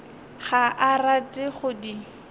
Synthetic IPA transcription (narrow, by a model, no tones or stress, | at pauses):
χaʔaratʼɪχʊdi